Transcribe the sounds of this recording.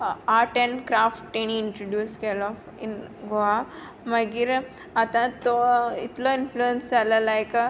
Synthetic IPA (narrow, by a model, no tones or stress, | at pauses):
aʈenkɾafʈʈeɳ̃iːɳʈɾoɖjuːskelɔ | ḭnɡoa | maɡiɾ | at̪ãt̪oit̪lɔinfluensalalajk